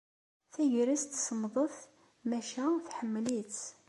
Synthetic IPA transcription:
θæʝɾæst̪ːsəmðˤəθ | mæʃæθħəmːlit͡s

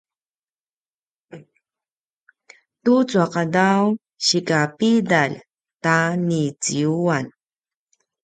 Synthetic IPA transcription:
tut͡suaqadaw | ɕikapid̪aʎ | tanit͡siuan

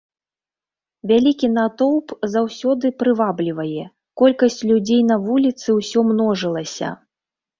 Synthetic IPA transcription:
vʲalʲikʲinat̪ɔwpzawsʲɔd̪ɨpɾɨvablʲivɐjɛ | kɔlʲkɐsʲt͡sʲlʲud͡zʲejnɐvulʲit̪sɨwsʲɔmnɔʐɨlˠɐsʲɐ̰

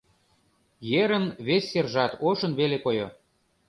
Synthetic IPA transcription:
jeɾənβesʲːerʒɑt̪oʃə̆nβelekojo

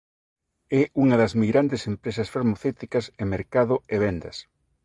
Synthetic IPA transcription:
ɛuŋɐðɐzmiɣɾand̪esempɾesɐsfaɾmoθewt̪ikɐsemeɾkaðʊeβ̞ɛnd̪ɐs

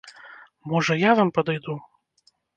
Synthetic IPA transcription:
mɔʐɐjavampɐd̪ajd̪u

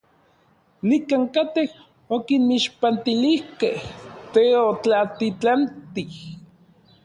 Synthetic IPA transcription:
nikaːŋkat̪eh | okinmiʃpant̪ilihkeht̪eot͡ɬat̪it͡ɬant̪ih

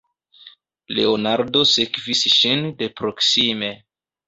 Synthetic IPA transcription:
le̞̰onaɾdo̞sekvisʃinde̞pɾo̞ksime̞

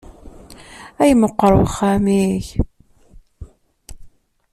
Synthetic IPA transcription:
æjəməqːəɾˤəwəχːæmiç

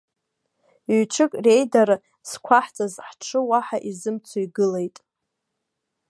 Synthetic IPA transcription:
ɥʈ͡ʂʰɨkʼre̞jdaɾ | skʷʰaħt͡sʼazħʈ͡ʂʰɨwaħaʔizɨmt͡sʰoiɡɨle̞jtʼ

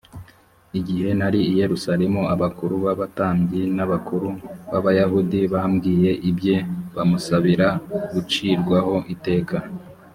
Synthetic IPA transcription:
iɟihe̞naɾiːje̞ɾusaɾe̞muaβakuɾuβaβataːmɡinaβakuɾuβaβajaɦudiβaːmɡiːje̞ʔibje̞βamusaβiɾaɡut͡ʃiːɾɡwaho̞ʔite̞ːkʰa

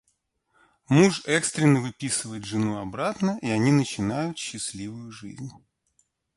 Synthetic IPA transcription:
muʂɛkst̪ɾʲɪnːəvɨpʲisɨvəjɪt̪ʐɨnuɐbɾat̪nəʔiɐnʲinət͡ɕɪnajʊt̪ɕːɪsʲlʲivʊjʊʐɨ̰zʲnʲ

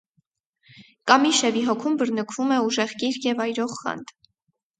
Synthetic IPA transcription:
kɑmiʃɛviɦɔkʰumbəɾnəkʰv̥umɛuʒɛʁkiɾkjɛvɑjɾɔʁχɑ̰nd̪

